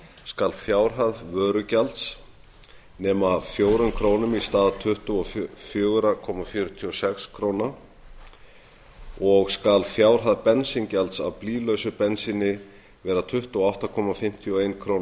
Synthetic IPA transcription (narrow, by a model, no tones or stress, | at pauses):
skalfjaːwɾ̥ɦaðvœːɾʏcalt̪s | nɛːmafjoːwɾʏmkʰɾoːwnʏmist̪aːðt̪ʰʏht̪uɔffjœːɣɾakʰɔmafjʏːɾʏt̪ʰiɔsɛkskʰɾowna | ɔɣskalfjaːwɾ̥ɦaðpɛnsincalt̪sa̰wpliːlœɥsʏpɛnsɪnɪ | vɛːɾat̪ʰʏht̪uɔawht̪akʰɔːmafɪm̥t̪ʰiɔejnkʰɾoːwn